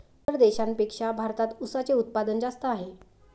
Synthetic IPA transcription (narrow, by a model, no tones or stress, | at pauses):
pəɾd̪eɕanpekʂabʱaɾt̪at̪usat͡seut̪̚pad̪ənd͡zast̪əaɦe